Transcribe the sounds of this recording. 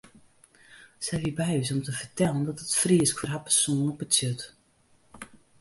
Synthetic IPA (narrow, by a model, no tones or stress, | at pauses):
sɛjʋibɛjɪsɔmtəvərtɛləndɔtətfriəskfɔrɦapərsoːnɔp̚ətsøt